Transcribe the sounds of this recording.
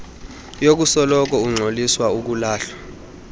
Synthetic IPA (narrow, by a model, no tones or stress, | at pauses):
jok̬usɔlɔk̬ɔuŋ͡ǀʱoliswauk̬ulaːɬwḁ